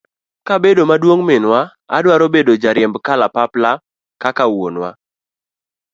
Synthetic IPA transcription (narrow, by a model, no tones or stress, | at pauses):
kabedomadwoŋmɪnwa | a̰dwaɾobedod͡ʒaɾjɛmbkalapapla | kakawonwa̰